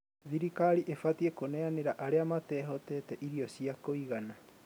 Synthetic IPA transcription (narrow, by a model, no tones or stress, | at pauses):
ðiɾikaɾiʔefat̪iekoneaneɾaʔaɾeamat̪eɦot̪et̪eʔiɾiosiakoiɣana